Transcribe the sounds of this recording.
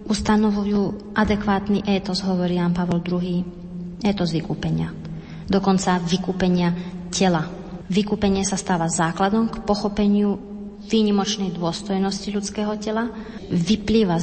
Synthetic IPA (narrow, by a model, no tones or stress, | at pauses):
ust̪anɔʋujuːʔad̪ɛkʋaːt̪niʔɛːt̪ɔzɦɔʋɔɾiːjaːnpaʋɔld̪ɾuɦiː | ɛːt̪ɔzʋikuːpɛɲɪa | d̪ɔkɔnt͡saʋikuːpɛɲɪacɛla | ʋikuːpɛɲɪɛsast̪aːʋazaːklad̪ɔmkpɔxɔpɛɲɪu | ʋiːɲimɔt͡ʃnɛjd̪ʊɔst̪ɔjnɔsciʎut͡skɛːɦɔcɛlaʋipliːʋa